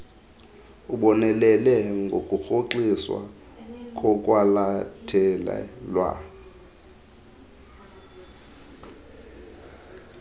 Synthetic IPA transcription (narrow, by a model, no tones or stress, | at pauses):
uɓɔnɛlɛlɛŋɡʱokʼuxoǃiswa̰ | kʼɔkʼwalatʰɛlɛ̰lwa̰